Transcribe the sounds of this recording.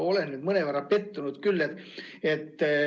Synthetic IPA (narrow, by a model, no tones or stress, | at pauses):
o̞lennːyːd̪mɤneʋærːɑpe̞t̪ːunud̪kylːet̪ː | et̪ː